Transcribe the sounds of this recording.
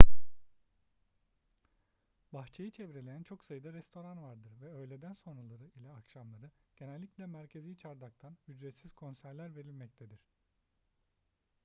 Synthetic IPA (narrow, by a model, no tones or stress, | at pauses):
baxt͡ʃʰejɯt͡ʃʰɛvɾe̞lʲejænt͡ʃʰo̞ksajɯd̪aɾɛst̪ʰo̞ɾanvaɾd̪ɯɾvɛø̞jlʲed̪ænso̞nɾalˠaɾɯilʲɛakʃamlˠaɾɯɟ̥e̞nɛlʲːicʲlʲɛmæɾcʰe̞zijt͡ʃʰaɾd̪ak̚t̪ʰanyd͡ʒɾɛt̪siz̥kʰo̞nsæɾlʲæɾve̞ɾilʲmɛc̚t̪ʰed̪iɾ̥